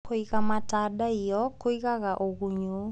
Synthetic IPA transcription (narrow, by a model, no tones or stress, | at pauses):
koiɣamataɗaijɔkoiɣaɣaʔoɣuɲu